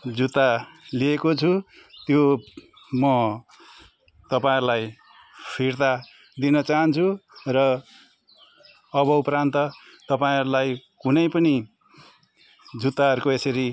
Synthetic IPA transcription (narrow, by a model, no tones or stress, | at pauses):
d͡zut̪ːaliekot͡sʰut̪jo | mʌ | t̪ʌpaĩɾulaj | pʰirt̪a | d̪inʌt͡saɦʌnt͡sʰurʌ | bʌupɾant̪ʌ | t̪ʌpaĩʌɾulajkunʌjpʌni | d͡zut̪ːaɦʌɾukoesʌɾi